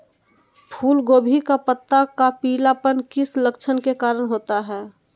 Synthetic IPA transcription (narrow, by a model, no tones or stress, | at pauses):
pʰuːlɡoːbʱikapət̪ːakapiːlapənkɪsləkt͡ʃʰənkekaːɾəɽ̃ɦoːt̪aɦɛː